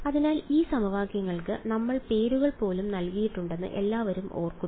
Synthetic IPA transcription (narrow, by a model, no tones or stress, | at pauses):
ɐðinaːliːsɐmɐʋaːɡjɐŋːɐɭkɨnɐmːɐɭpe̞ːɾuɣɐɭpo̞ːlumnɐlkijiʈːuɳɖe̞nːɨ̰ʔe̞lːaːʋɐɾumo̞̰ːrkːu